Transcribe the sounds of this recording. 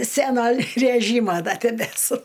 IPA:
ˈsʲænoː rʲæˈʒʲiːmoː dɐ tʲɛbʲɛˈsʊ

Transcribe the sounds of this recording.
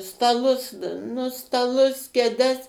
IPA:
stɐˈlˠʊs nʊ stɐˈlˠʊs kʲɛˈdʲɛs

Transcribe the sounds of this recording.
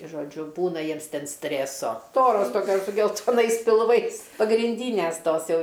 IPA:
ʒoːˈd͡ʒʲʊ ˈbuːnɐ ˈjiɛms ˈtʲɛn ˈsʲtʲrʲeːsoː ˈstoːroːs ˈtoːkʲoːs sʊ ɡʲɛlˠtoːˈnɐɪs pʲɪlˠˈʋɐɪs pɐɡrʲɪnʲˈdʲiːnʲeːs ˈtoːs ˈjɛʊ

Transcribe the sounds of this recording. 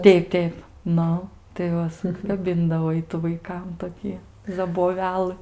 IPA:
ˈtʲɛɪp ˈtʲɛɪp ˈnʊ tɐɪ ˈʋɐ sʊˈkɑːbʲɪndɐʋoː ˈɪtʊ ʋɐɪˈkɐm toːˈkʲiː zɐboːˈʋʲæːlˠɨ

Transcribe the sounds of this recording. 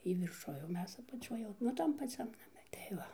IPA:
ˈjiː ʋʲɪrˈʃʊj oː ˈmʲɛs ɐpɐˈt͡ʃʲoːj jɛʊ nʊ ˈtɐm pɐˈt͡sʲɛm nɐˈmʲɛ tɐɪ ˈʋɐ

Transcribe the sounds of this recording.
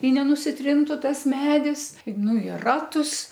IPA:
ɪ nʲɛnʊsʲɪˈtʲrʲɪntʊ ˈtɐs ˈmʲæːdʲɪs ˈnʊ ɪ ˈrɑːtʊs

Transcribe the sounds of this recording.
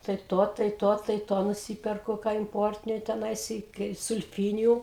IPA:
tɐɪ ˈtoː tɐɪ ˈtoː tɐɪ ˈtoː nʊˈsʲiːpʲɛrkʊ kɑː ɪmˈpoːrʲtʲɪnʲʊ tʲɛˈnɐɪs ɪ kɐɪ sʊlʲˈfʲiːnʲɪjʊ

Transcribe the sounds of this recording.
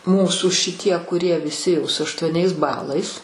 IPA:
ˈmuːsuː ʃʲɪˈtʲiɛ kʊˈrʲiɛ ʋʲɪˈsʲɪ jɛʊ sʊ ɐʃtuɔˈnʲɛɪs ˈbɑːlˠɐɪs

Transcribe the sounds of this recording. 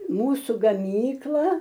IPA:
ˈmuːsʊ ɡɐˈmʲiːklˠɐ

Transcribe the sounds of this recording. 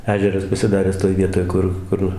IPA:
ˈæːʒʲɛrɐs pɐsʲɪˈdɑːrʲæːs toːj ˈʋʲiɛtoːj ˈkʊr ˈkʊr

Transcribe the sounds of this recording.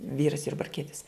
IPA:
ˈʋʲiːrɐs jʊrbɐrʲˈkʲiɛtʲɪs

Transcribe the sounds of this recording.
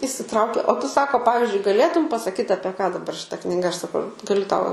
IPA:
iːsʲɪˈtrɐʊkʲeː oː ˈtʊ ˈsɑːkoː ˈpɑːʋʲɪzʲd͡ʒʲʊɪ ɡɐˈlʲeːtʊm pɐsɐˈkʲiːt ɐpʲiɛ kɑː dɐˈbɐr ʃʲɪˈtɐ knʲɪˈɡɐ ɐʃ sɐˈkɐʊ ɡɐˈlʲʊ ˈtɐʊ

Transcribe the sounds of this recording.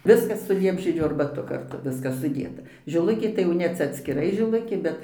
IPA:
ˈʋʲɪskɐs sʊ ˈlʲiɛbʲʒʲiɛd͡ʒʲuː ɐrbɐˈtʊ kɐrˈtʊ ˈʋʲɪskɐs sʊˈdʲeːtɐ ʒʲɪˈlˠʊkʲeː tɐɪ jɛʊ ˈnʲɛ ˈt͡sʲɛ ɐtʲsʲkʲɪˈrɐɪ ʒʲɪˈlˠʊkʲeː ˈbʲɛt

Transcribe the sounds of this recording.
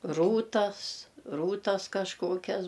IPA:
ˈruːtɐs ˈruːtɐs kɐʃˈkoːkʲɛs

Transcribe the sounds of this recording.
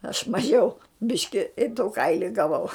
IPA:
ɐʃ mɐˈʒʲɛʊ ˈbʲɪʃʲkʲɪ ɪ tʊ ˈkɐɪlʲɪ ɡɐˈʋɐʊ

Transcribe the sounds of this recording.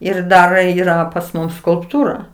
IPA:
ɪr ˈdɐr ˈiːrɐ pɐs ˈmʊs skʊlˠpˈtuːrɐ

